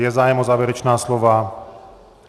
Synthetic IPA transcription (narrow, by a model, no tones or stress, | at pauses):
jɛzaːjɛmɔzaːʋɛɾɛt͡ʃnaːslɔʋaː